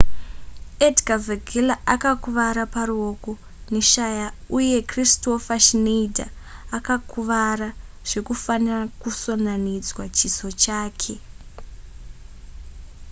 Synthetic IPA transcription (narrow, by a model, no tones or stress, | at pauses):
edɡaveɡʱilaʔakakuʋaɾapaɾuoko | neʃajauje̞kristo̞faʃinedʱa̰ː | kakuʋara | ʐ̥e̞kufanirakuso̞nanid͡zwat͡ʃiso̞t͡ʃaːkʰe̞